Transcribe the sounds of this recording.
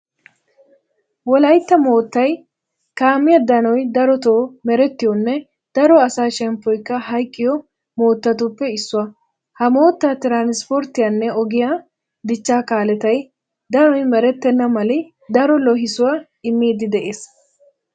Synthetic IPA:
wɔlɐjt̪ːɐmo̞ːt̪ːɐj | kaːmːɪjɐd̪ɐnɔjd̪ɐɾɔt̪oːmɛɾɛt̪ːɪjɔnːɛ | d̪̥ɐɾɔɐsaːʃɛmpːɔjkːɐhɐjkʼːɪjɔ | mo̞ːt̪ːɐt̪ʊpːɛɪsːʊwɐ | hɐmo̞ːt̪ːat̪ɪɾaːnɪspoɾt̪ːɪjanːɛɔɡɪja | d̪ɪt͡ʃːaːkaːlɛt̪ɐj | d̪ɐnɔjmɛɾɛt̪ːɛnːɐmɐlɪ | d̪ɐɾɔlɔɦɪsʊwɐ | ɪmːiːd̪ɪd̪ɛʔeːs

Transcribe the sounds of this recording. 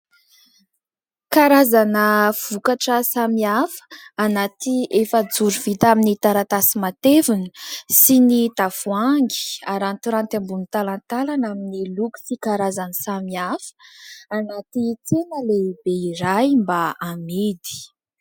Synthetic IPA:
kaɾazanəv̥ukaʈ͡ʂəsamiafə̥anat̪iefəd͡zuɾuv̥it̪aminit̪aɾat̪asimat̪evunəsinit̪afuaŋɡi̥aɾant̪uɾant̪ambunit̪alant̪alanaminiluku̥sikaɾazanisamiafə̥anat̪it͡senəlebeiɾajmbaamid̪i̥

